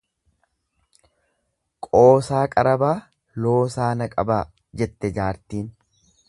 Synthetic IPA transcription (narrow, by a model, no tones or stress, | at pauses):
kʼo̞ːsaːkʼɐɾɐbaː | lo̞ːsaːnɐkʼɐbaː | d͡ʒɛt̪ːɛd͡ʒaːɾt̪iːn